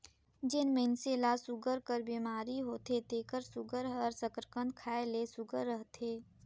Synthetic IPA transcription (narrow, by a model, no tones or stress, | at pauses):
d͡ʒɪnmẽnselasʊɡəɾkəɾbiːmaːɾiɦoːt̪et̪eːkəɾsʊɡəɾəɾsəkɾəkə̃nd̪kʰaːelesʊɡəɾːəɦt̪ʰeː